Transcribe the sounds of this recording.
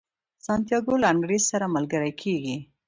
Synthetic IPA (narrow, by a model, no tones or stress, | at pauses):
sɑnt̪jɑɡolaaŋɡɾezsaɾamalɡəɾajkʰeɡi